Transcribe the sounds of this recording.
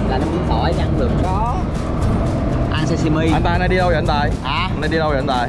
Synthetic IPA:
laː˨˩na˧ɓi˨˦ənt̪ʰɔ˧˩˦jɲ˧˨˧a˧ntɨ̰˨˩əŋkɔ˨˦ | ʔa˧nsɛ˧si˧mi˧a˨nt̪aː˧˨na˧˦ɗi˧lə˧wjə̰˨nt̪aː˨˩jʔaː˨˩na˧jɗi˧lə˧wj̰nt̪aː˨˩j

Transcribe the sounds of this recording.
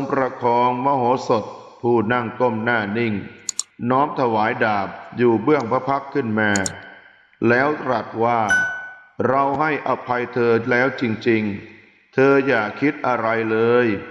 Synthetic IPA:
o˧ŋpɾa˧kʰɔː˧ŋmɔː˧˩ɦoː˩˦so˨˩t̪̚pʰuː˥˩na˥˩ŋko˥˩mnaː˥˩ni˥˩ŋnɔː˦˥mt̪ʰa˧waː˩˦jdaː˨˩p̚juː˨˩bɯ˥˩əŋpʰa˦˥pʰa˦˥kʰːɯ˥˩nmaː˧ | lɛː˦˥wt̪ɾa˨˩t̪̚waː˥˩ | ɾa˧wɦa˥˩jʔa˧˩pʰːa˧jt̪ʰɤː˧lɛː˦˥wt͡ɕi˧ŋt͡ɕi˧ŋ | t̪ʰɤː˧jaː˨˩kʰi˦˥t̪̚ʔa˧ɾa˧jlɤː˧j

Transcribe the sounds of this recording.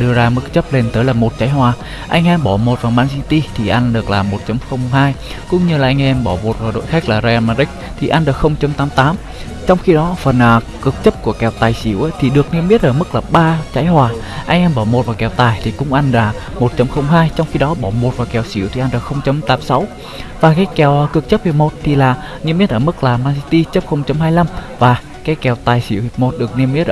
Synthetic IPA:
ɗɨ˧əzaː˧mɨ˦˥k̚t͡ɕə˦˥p̚le˧nt̪əː˨˦jlaː˨˩mo˨˩t̚t͡ɕaː˨˦jɦwaː˨˩ | ʔa˧jŋ̟ʔɛ˧mɓɔ˧˩mo˨˩t̚vaː˨˩maː˧nsi˧t̪i˧t̪ʰi˨˩ʔa˧jŋ̟ɗɨ˨˩ək̚laː˨˩mo˨˩t̚t͡ɕə˨˦mxə˧wŋ͡mɦaː˧jkʊ̰˧˥ŋ͡mɲɨ˧laː˨˩ʔa˧ŋ̟ʔɛ˧mɓɔ˧˩mo˨˩t̚vaː˨˩ɗo̰˧˨jxa˦˥k̟̚laː˨˩zaː˧ʔaː˧maː˧ʔï˦˥k̟̚ | t̪ʰi˨˩ʔa˧jŋɗɨ˨˧ək̚xə˧wŋ͡mt͡ɕə˨˦mt̪aː˨˦mt̪aː˨˦m | t͡ɕɔ˧wŋ͡mxi˧ɗɔ˨˦fə˨˩nʔəː˨˩kɨ˨˩k̚t͡ɕə˦˥p̚ku˧˩əkɛ˧˩wt̪aː˨˩jsḭ˧˩əwʔa˨˦t̪ʰi˨˩ɗɨ˨˩ək̚nɛ˧mɓi˦˥ət̚ʔəː˧˩mɨ˦˥k̚laː˨˩ɓaː˧t͡ɕa˨˦jhwaː˨˩ | ʔa˧jŋ̟ʔɛ˧mɓɔ˧˩mo˨˩t̚vaː˨˩kɛ˨˩wt̪aː˨˩jt̪ʰi˨˩kʊ̰˧˥ŋ͡mʔa˧jŋ̟laː˨˩ | mo˨˩t̚t͡ɕə˨˦mxə˧wŋ͡mɦaː˧jt͡ɕɔ˧wŋ͡mxi˧ɗɔ˨˦ɓɔ˧˩mo˨˩t̚vaː˨˩kɛ˨˩wsḭ˧˩əwt̪ʰi˨˩ʔnɗɨ˨˩xə˧wŋ͡mt͡ɕə˨˦mt̪aː˨˦msa˨˦w | vaː˨˩kaː˨˦jkɛ˨˩wkɨ˨˩ək̚t͡ɕə˦˥p̚vi˨˩mo˨˩t̚t̪ʰi˨˩laː˨˩ | ni˧mːi˦˥t̚ʔəː˧˩mɨ˦˥k̚laː˨˩maː˧si˧t̪i˧t͡ɕə˦˥p̚xə˧wŋ͡mt͡ɕə˨˦mhɦaː˧jla˧mvaː˨˩ | kaː˨˦jkɛ˧˩wt̪aː˨˩jsḭ˧˩əwmo˨˩t̚ɗɨ˨˩ək̚ni˧əmːi˦˥ʔ

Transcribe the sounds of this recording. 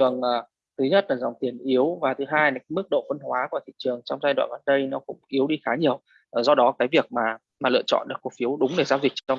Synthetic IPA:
ɨ˨˩əŋʔəː˨˩ | t̪ʰɨ˨˦ɲə˦˥t̚laː˨˩zɔ˨˩wŋ͡mt̪i˨˩ənʔi˨˦əwvaː˨˩t̪ʰɨ˨˦ɦaː˧jna˨˦˨mɨ˦˥k̚ɗo̰˧˨fə˧nhwaː˨˦ku˧˩ət̪ʰḭ˧˨t͡ɕɨ˨˩əŋt͡ɕɔ˧wŋ͡mzaː˧jɗwa̰ː˧˨nʔaː˨˩nɗə˧jnɔ˨˦kʊ̰˧˥ŋ͡mʔi˨˦wɗi˧xaː˨˦ɲi˨˩əwː | zɔ˧ɗɔ˨˦kaː˨˦jvi˨˩ək̚maː˨˩ | maː˨˩lɨ̰˧˨ət͡ɕɔ̰˧˨nɗɨ˨˩k̚ːu˨˩fi˨˦əwɗʊ˨˦ŋ͡mɗe˧˩zaː˧wzi̟˨˩t͡ɕt͡ɕɔ˧ŋ͡m

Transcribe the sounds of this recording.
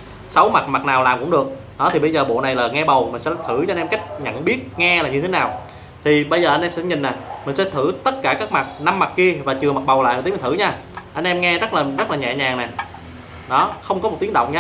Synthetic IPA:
sa˨˦wma˨˩t̚ma˨˩t̚naː˨˩wlaː˨˩mkʊ̰˧˥ŋ͡mɗɨ˨˩ək̚ | ɗɔ˨˦t̪ʰi˨˩ɓə˧jzəː˨˩ɓo̰˧˨na˨˩jlaː˨˩ŋɛ˧ɓə˨˩wmï̟˨˩sɛ̰˧˥t̪ʰɨ˧˩t͡ɕɔ˧nʔɛ˧mka˦˥jk̟̚ɲə̰˧˨nɓi˦˥ət̚ŋɛ˧laː˨˩ɲɨ˧e˨˦naː˨˩w | t̪ʰi˨˩ɓə˧jzəː˨˩ʔnʔɛ˧msɛ̰˧˥ɲï˨˩ŋ̟naː˨˩mï˨˩ŋ̟sɛ̰˧˥t̪ʰɨ˧˩t̪ə˦˥t̚kaː˧˩kaː˦˥k̚ma˨˩t̚na˧mːa˨˩t̚ki˧əvaː˨˩t͡ɕɨ˨˩əma˨˩t̚ɓə˨˩wla̰˧˨jt̪ːm˨˩t̪ʰɨ̰˧˩˦ɲaː˧ | ʔa˧jnʔɛ˧mŋɛ˧zə˦˥t̚laː˨˩zə˦˥t̚laː˨˩ɲɛ̰˧˨ɲaː˨˩ŋnɛ˨˩ | ɗɔ˨˦xə˧wŋ͡mkɔ˨˦mo˨˩t̚t̪i˨˦əŋɗə̰˧˨wŋ͡mɲa˧˦

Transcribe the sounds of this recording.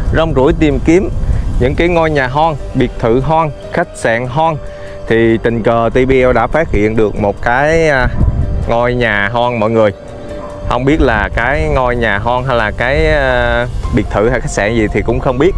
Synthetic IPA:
zɔ˧wŋ͡mzṵ˧˩əjt̪i˨˩mki˨˦əmɲɨ̰˧˥ŋkaː˨˦jŋɔ˧jɲaː˨˩ɦɔ˧nɓi˨˩ək̚t̪ʰɨ˧˨ɦɔː˧n | xa˦˥jk̟̚sa̰ː˧˨ŋɦɔ˧n | t̪ʰi˨˩t̪ï˨˩ŋ̟kəː˨˩t̪i˧ɓi˧ʔɛ˧wɗa̰ː˧˥faː˦˥t̚hḭ˧˨ənɗɨ˨˩ək̚mo˨˩t̚kaː˨˦j | ŋɔ˧jɲaː˨˩ɦɔ˧nmɔ̰˧˨jŋɨ˨˩əj | hə˧wŋ͡mɓi˦˥ət̚laː˨˩kaː˨˦jŋɔ˧jɲaː˨˩ɦɔ˧nɦa˧jlaː˨˩kaː˨˦j | ɓi˨˩ək̚t̪ʰɨ˧˩ha˧jxa˦˥k̚sa̰ː˧ŋzi˨˩t̪ʰi˨˩kʊ̰˧˥ŋ͡mxə˧wŋ͡mɓi˦˥ət̚

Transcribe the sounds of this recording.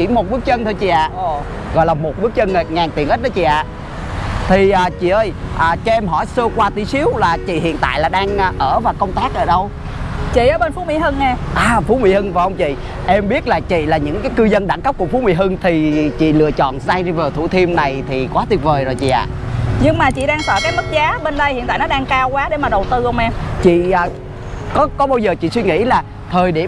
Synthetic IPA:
t͡ɕḭ˧˥mo˨˩t̚ɓɨ˦˥k̚t͡ɕə˧nt̪ʰo˧t͡ɕḭ˧˨ʔa̰ː˧˨ | ɣɔ̰˧˨jlaː˨˩mo˨˩t̚ɓɨ˦˥k̚t͡ɕə˧ne˨˩ŋaː˨˩ŋt̪i˨˩əŋʔə˦˥t̚ɗɔː˨˧˦t͡ɕḭ˧˨ʔa̰ː˧˨ | t̪ʰi˨˩ʔəː˨˩t͡ɕḭ˧˨ʔəː˧jʔaː˨˩t͡ɕɔ˧ʔɛ˧mɦɔ˧˩jsə˧kwaː˧t̪i˨˦si˨˦əwlaː˨˩t͡ɕḭ˧˨hḭ˧˨ənt̪a̰ː˧˨jlaː˨˩ɗaː˧ŋː˧ʔəː˧˩vaː˨˩kə˧wŋ͡mt̪aː˦˥k̚ʔəː˧˩ɗə˧w | t͡ɕḭ˧˨ʔəː˨˧˦ɓe˧nfu˨˦mḭ˧˥˦hɨ˧ŋːɛ˧ʔaː˨˩fu˨˦mḭ˧˥hɨ˧ŋvaː˨˩ʔə˧ŋ͡mt͡ɕḭ˧˨ | ʔɛ˧mɓi˦˥ət̚laː˨˩t͡ɕḭ˧˨laː˨˩ɲɨ̰˧˥ŋkaː˨˦jkɨ˧zə˧nɗa˧˩ŋkə˦˥p̚ku˧˩fu˨˦mḭ˧˥ɦɨ˧ŋt̪ʰi˨˩t͡ɕḭ˧˨lɨ̰˧˨ət͡ɕɔ̰˧˨nsaː˧jzi˧vaː˨˩t̪ʰu˧˩t̪ʰi˧mna˨˩jt̪ʰi˨˩kwaː˨˦t̪i˨˩ət̚vəː˨˩jzo˨˩jt͡ɕḭ˧˨ʔa̰ː˧˨ | ɲɨ˧ŋmaː˨˩t͡ɕḭ˧˨ɗaː˧ŋsəː˧˩kaː˨˦jmə˦˥t̚zaː˨˦ɓe˧nɗə˧jhḭ˧˨nt̪aː˧˨nɔ˨˦ɗaː˧ŋkaː˧wkwaː˨˦ɗe˧˩maː˨˩ɗə˨˩wt̪ɨ˧hə˧wŋ͡mʔɛ˧mt͡ɕḭ˧˨əː˨˩ | kɔ˨˦kɔ˨˦ɓaː˧wzəː˨˩t͡ɕḭ˧˨swi˧ŋḭ˧˥laː˨˩ | t̪ʰəː˨˩jɗe˧˩

